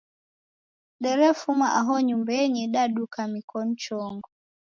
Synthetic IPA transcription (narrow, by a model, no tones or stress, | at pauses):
ɗɛɾɛfumaʔaɦɔɲumbɛɲiɗaɗukamikʰɔn̩t͡ʃɔŋɡɔ